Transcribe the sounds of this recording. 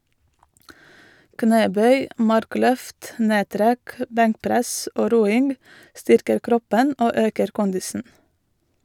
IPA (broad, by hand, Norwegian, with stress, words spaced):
ˈkneːˌbœʏ ˈmɑɾˌklœft ˈneːˌtɾɛk ə ˈbɛŋkˌpɾɛsʔ ˈoː ˈɾuːɪŋɡ ˈstʏɾkəɾ ˈkɾɔpən ˈoː ˈøːkəɾ ˈkʊndɪsn̩